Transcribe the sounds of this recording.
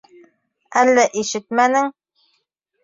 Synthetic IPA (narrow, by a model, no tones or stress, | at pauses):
ælːæʔiʃɘt̪mænɘŋ